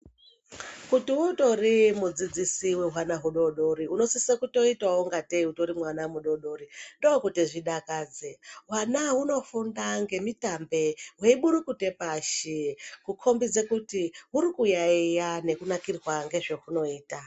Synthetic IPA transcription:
kutiuto̞rimud͡zid͡zisiweɦwanaɦuɗo̞ɗo̞ɾiuno̞sisekuto̞itaoŋɡateutoɾimwanamuɗo̞ɗo̞ɾindo̞okutiʐiɗakaːd͡zeɦwanaɦuno̞fundaŋɡe̞mitambe̞we̞iɓuɾukute̞paʃekukʰo̞mbid͡zekutiɦuɾikujaijane̞kunakirwaŋɡe̞ʐe̞ɦuno̞iːta

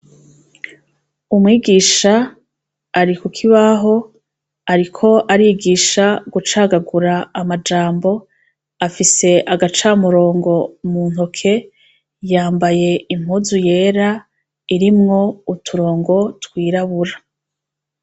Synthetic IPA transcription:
umŋiːɡiːʃaː | ɾikukʰiβaɦo̞ | aɾikʰo̞ʔaɾiɡiːʃaɡut͡ʃaːɡaɡuɾaːmad͡ʒaːmbo̞ | afise̞ʔaɡat͡ʃaːmuɾo̞ːŋɡo̞mun̥hokʰe̞ | jaːmbaje̞im̥huzuje̞ːɾa | iɾimŋo̞utʰuɾo̞ːŋɡo̞tkwiːɾaβuɾa

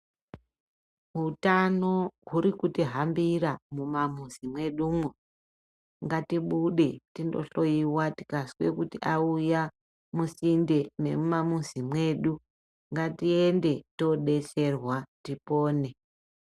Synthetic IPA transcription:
ɦutano̞ɦuɾikutiɦambiɾamumamuzimwe̞ɗumwe | ŋɡatiɓuɗe̞tindo̞̰ɬo̞iwati̥kasi̥kwe̞kutiʔauja | musinde̞ne̞̰mumamuzimwe̞ɗu | ŋɡatiende̞to̞ɗe̞t͡ʃe̞rwatipo̞ːne̞

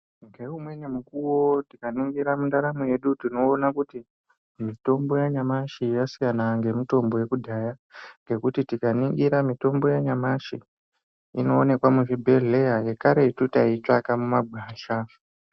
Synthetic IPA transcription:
ŋɡe̞umwe̞ɲemukuwo̞tikaniŋɡiɾamundaɾamuje̞ɗutino̞ːnakuti | mito̞mbo̞jaɲamaʃijasijanaŋɡe̞muto̞mbo̞je̞kudʱajaŋɡe̞kutitikaniŋɡiɾamito̞mbo̞jaɲamaʃi | ino̞ːne̞kwamuʐibʱe̞ɮe̞jaje̞kaɾe̞itutait͡ʃakamumaɡʱwaːʃa

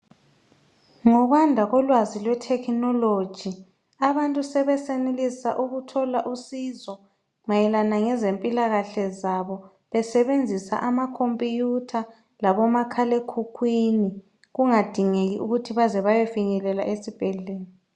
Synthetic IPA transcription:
ŋɔβandʱaɣɔlwazilwɛtʰɛkʰnɔlod̥ʒ̥ʱi | aβantʼusɛβɛsenelisa̰ʔuɣutʰɔlaʔusizɔ | majɛlanaŋɛzempʼilaɣaɬɛzaβɔ | βɛsɛβend͡zʱisa̰ʔamakʰompʼijutʰa | laβɔmakʰalekʰukʰwini | ɣuŋad̥ʱiŋeɣiʔuɣutʰiβazɛβajɛfiɲɛlɛla̰ʔesib̥ʱɛɮeːni

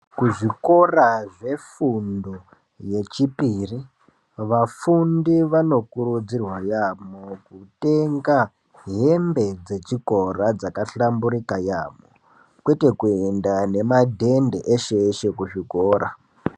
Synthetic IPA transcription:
kuʐiko̞raʐe̞fundo | je̞t͡ʃipiri | ʋafundiʋano̞kuɾud͡zirwajamokute̞ŋɡa | ɦembe̞d͡ze̞t͡ʃiko̞rad͡zakaɬambuɾikajamo̰ | kwe̞te̞kue̞ndane̞madʱe̞ndeʔeʃeʃekuʐikoːɾa

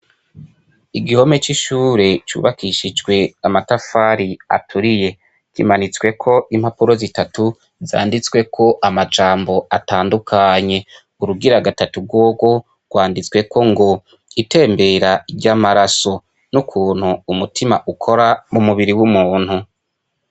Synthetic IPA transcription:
iɡiho̞me̞t͡ʃiʃuːɾe̞t͡ʃṵːβakiʃid͡ʒɡwe̞amatafaɾia̰tʰuɾije̞ | kḭmanit͡swe̞kʰo̞ʔimhapuɾo̞zitatu | za̰ːndit͡swe̞kʰo̞ʔamad͡ʒaːmbo̞ataːndukʰaɲe̞ | uɾuɡiɾaɡatatuɡ̚ɡwoːɡo̞ | ɡ̥waːndit͡swe̞kʰo̞ŋɡo̞ | ite̞ːmbe̞ɾaiɟaːmaɾaso̞ | nukʰuːnhuːmutʰimaʔukʰo̞ɾamumuβiɾiwumuːn̥hu

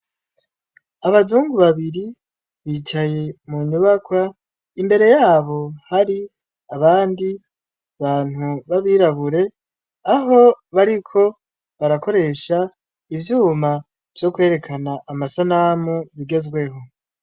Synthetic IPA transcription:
aβazuːŋɡuβaβiɾi | βiːt͡ʃaje̞muɲuβakwa | imbe̞ɾe̞jaːβo̞haɾi | aβaːndi | βaːn̥huβaβiɾaβuɾe̞ | aɦo̞βaɾikʰo̞ | βaɾako̞ɾe̞ʃa | ivjuːma | v̥jo̞kwe̞ːɾe̞kʰanaʔːmasanamuβiɡe̞zɡwe̞ɦo̞

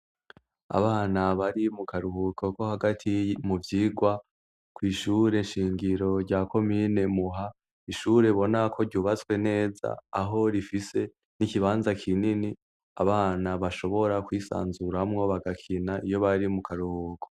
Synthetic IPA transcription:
a̰βaːnaβaɾimukaɾuhukʰo̞ko̞haɡatʰimuvjiːɡwa | kwiːʃuɾe̞ʃiːŋɡiɾo̞ɾɟakʰo̞mine̞muɦa | iʃuɾe̞βo̞nakʰo̞ɾɟuːβat͡swe̞ne̞ːza̰ːɦo̞ɾifise̞ | nikiβaːnzakʰinini | a̰βaːnaβaʃo̞βo̞ɾakwiːsa̰ːnzuɾamŋo̞βaɡakʰinaʔijo̞βaɾimukaɾuhuːkʰo

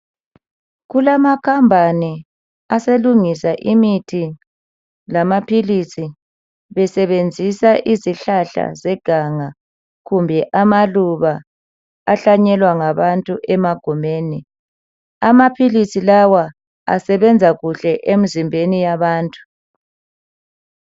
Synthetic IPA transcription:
ɣulamakʰambʱani | aseluŋisaʔimitʰi | lamapʰilisi | βɛsɛβend͡zʱisaʔiziɬaɬa̰zɛɡ̥ʱaŋa | ɣumbʱɛʔamaluβa | aɬaɲɛlwaŋaβantʼuʔɛmaɡ̥ʱɔmeːni | amapʰilisilawa | a̰sɛβɛnd͡zʱaɣuɬɛʔem̩zimbʱenijaβaːntʼu̥

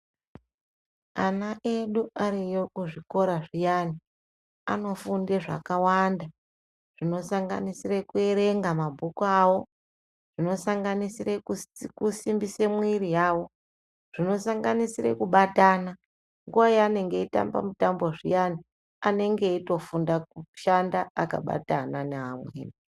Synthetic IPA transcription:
anaʔeɗuaɾijokuʐiko̞ɾaʐijani | a̰no̞funde̞ʐa̰kawanda | ʐ̥ino̞saŋɡa̰nisirekue̞ɾe̞ŋɡamabʱukuawo̞ | ʐ̥ino̞saŋɡanisirekusimbise̞mwiɾijaːwo̞ | ʐ̥ino̞saŋɡanisirḛkuɓatana | ŋɡuwajaane̞ŋɡe̞ita̰mba̰mutamboʐijani | ane̞ŋɡe̞ito̞fundakuʃandaːka̰ɓa̰tananeɦamwḛːni

